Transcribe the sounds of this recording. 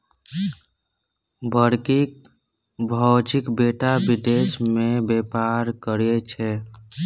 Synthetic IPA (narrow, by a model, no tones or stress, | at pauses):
bəɾkik̚ | bʱɔd͡ʒikbeʈabid̪esmebepaɾkəɾet͡ʃʰɛ